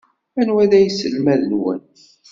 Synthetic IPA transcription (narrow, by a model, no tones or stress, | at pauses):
ænwæðæjsəlmæðənwə̰n